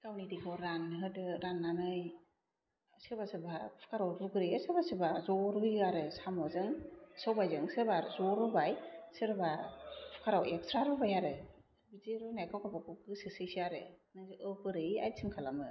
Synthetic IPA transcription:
kawnidikʰɔɾanɦɯdɯɾanːanɯj | sɯɾbasɯbapʰɯ̥kaɾawɾuɡɯɾɯjɯsɯɾbasɯbazɔɾujaɾɯsamɔzɯŋsawbajzɯŋsɯɾbazɔɾubajsɯɾbapʰɯ̥kʰaɾawekstɾaɾɯbajaɾɯ | bizeɾunajkʰawkʰabakukɯsɯsɯjsiaɾɯ̰nɯŋzɯʔɯpɯɾɯa̰jtsʰɯŋkʰalamɯ

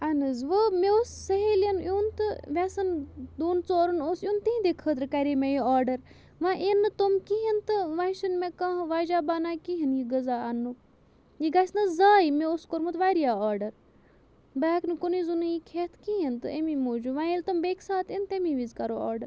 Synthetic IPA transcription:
ɐnɨzʋəmeosːɐɦeːlɐnjuːnt̪ɨʋʲɛsɐnd̪uːnt͡soːɾɐnoːsjuːnt̪iĩd̪ekʰəːt̪ɾkɐɾiːmejiaːɾɖɐɾ | ʋãʔenɨt̪omkiɦint̪ɨʋãʃɐnmẽkãɦʋaːd͡ʒaːbaːnaːkiɦinjiɡɐzaːɐnːu | jiɡɐsnɐzaːimẽoskoɾmut̪ʋaːɾijaːaːɾɖɐɾ | baːknɨkonizunujikʰeːt̪ʰkiɦint̪ɨemimoːd͡ʒuʋãːilt̪umbeːksaːt̪int̪emiʋizkɐɾoːa̰ːɾɖɐɾ

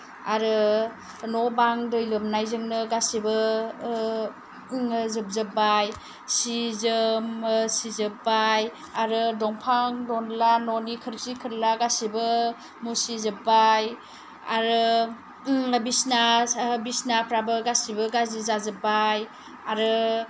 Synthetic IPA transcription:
aɾɯ | nɔbaŋdɯjlɯmnajzɯŋnɯɡasibɯ | ŋzɯp̚zɯbaj | sizɯmsizɯbaj | aɾɯdɔŋpʰaŋdɔnlanɔnikʰɯɾsikʰɯɾlaɡasibɯ | musizɯbaj | aɾɯ | bisnasbisnapʰɾabɯɡasibɯɡazizazɯbaj | aɾɯ

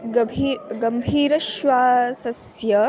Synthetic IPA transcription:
iɡɐmbʱiːɾɐʃʋaːsɐsjɐ

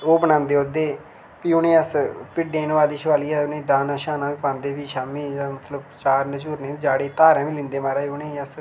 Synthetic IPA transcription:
oːbənãːnd̪eːoːd̪eː | piːʊnẽːəspɪɖẽːnːʋaːd̪iːʃʋaːliːaːʊnẽːd̪ãːnaːʃaːnãːʋiːpãːnd̪eːʋiːʃaːmĩːmət̪ləbt͡ʃaːɾnət͡ʃuːɾnẽːd͡ʒaːɽeːt̪aːɾɛ̃ːʋiːlɪ̃nd̪eːmaːɾaːʊneːəs

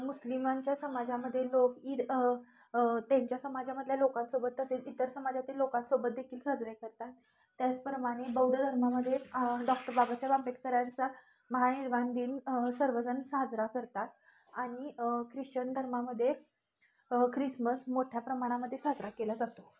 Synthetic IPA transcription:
muslimãɲt͡ɕjasəmad͡ʑaməd̪ʱːjeloki | t̪jaɲt͡ɕjasəmad͡ʑaməd̪ʱljalokãt̪sobət̪ːəset͡sit̪əɾsəmad͡ʑat̪iːlokãt̪sobət̪̚d̪ekʰiːlsad͡zɾekəɾt̪at̪ː | jat͡spəɾmaɽ̃ebəwd̪əd̪ʱəɾmaməd̪ʱːjeɖɔk̚ʈəɾbʱabasajbampeʈ̚kəɾjant͡sa | məɦaniɾband̪iːnsəɾʋəd͡zənsad͡zɾakəɾt̪at̪ | aɽ̃ikɾiʂt͡ɕənd̪ʱəɾmaməd̪ʱːje | kɾisməsmoʈʰjapɾəmaɽ̃aməd̪ʱːjesad͡zɾakelad͡zat̪o

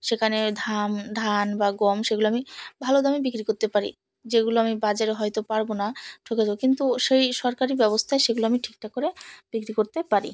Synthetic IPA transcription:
ʃekʰaned̪ʱamd̪ʱanbaɡomʃeɡuloamibʱalod̪amibikɾikoɾt̪epaɾḭ | d͡ʑeɡuloamibad͡ʑaɾeɦɔjt̪opaɾbonaʈʰoked͡ʑabokint̪uʃejʃɔɾkaɾibɛbost̪ʰaeʃeɡuloamiʈʰi̥k̚ʈakoɾeb̥ikɾikoɾt̪epaɾḭ

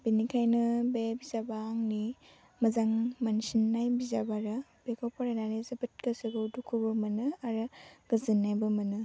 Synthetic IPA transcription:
binikʰajnɯbebizabaːŋni | mɐzaŋmansinːajbizabaɾɯb̥ekʰɔpɔɾananizɐbɯt̚kɯsɯɡɯdukʰubɯmɐnɯaɾɯɡ̥ɯzɯnːajbɯmɐnɯ

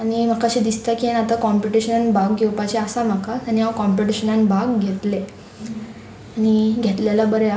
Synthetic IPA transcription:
añim̤akaɕid̪ist̪akienat̪akɔmpiʈiɕənanbaɡɡʱewpat͡ɕeasam̤akat̪añiɦawkɔmpiʈiɕənanbaɡɡʱet̪le | aɽ̃iɡʱet̪ljalabəɾe

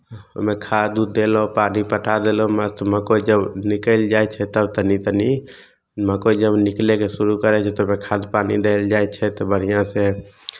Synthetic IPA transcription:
o̰mẽkʰad̪ud̪elopanipəʈʰad̪elɦoməst̪məkod͡ʒəbnɪkəɪld͡ʒaɛt͡ʃʰɛt̪əbt̪ənit̪əni | məkod͡ʒəbnɪklekesuɾukəɾɛt͡ʃʰɛt̪omẽkʰad̪panid̪eld͡ʒaɛt͡ʃʰɛt̪ɔbəɽ̤ijãse

